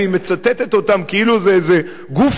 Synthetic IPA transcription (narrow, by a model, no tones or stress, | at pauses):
imet͡sat̪et̪e̞t̪o̞t̪amkeiluzeeze | ɡuf